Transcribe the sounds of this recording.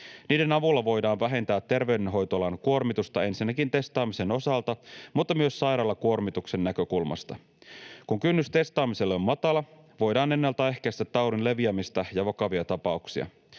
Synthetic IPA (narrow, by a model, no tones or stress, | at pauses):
niːde̞nɑʋulːɑʋo̞jdɑːnʋæɦe̞nt̪æːt̪ːe̞rʋe̞ydenɦo̞jt̪olɑnkuo̞rmit̪ust̪ɑe̞nsinːækint̪e̞st̪ɑːmise̞no̞sɑlt̪ɑmut̪ːɑmyøsːɑjɾɑlːɑkuo̞rmit̪ukse̞nːækø̞kulmɑ̰st̪ɑ | kuŋkynːyst̪e̞st̪ɑːmiselːommɑt̪ɑlɑ | ʋo̞jdɑːne̞nːɑlt̪æe̞hkæjst̪æt̪ːɑuɾinle̞ʋiæmist̪æjɑʋɑkɑʋiɑt̪ɑpɑuksiɑ̰